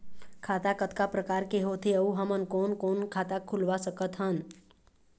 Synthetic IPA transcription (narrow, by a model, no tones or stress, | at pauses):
kʰaːt̪akət̪kapɾəkaːɾkeɦoːt̪ʰeəuɦəmənkoːnkoːnkʰaːt̪akʰulʋasəkət̪ɦən